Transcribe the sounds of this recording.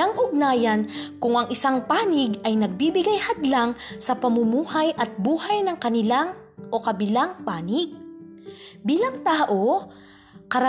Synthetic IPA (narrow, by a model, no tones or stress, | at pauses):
aŋʔʊɡ̚naːjɐnkʊŋʔɐŋʔɪsaŋpaːnɪɡɐjnɐɡ̚bibɪɡajhɐd̪laŋsɐpɐmʊmuːhajʔɐt̪̚buːhɐjnɐŋkɐnɪlaŋ | ʔo̞kɐbɪlaŋpaːnɪɡ̚ | biːlɐŋt̪aːʔo | kɐɾɐ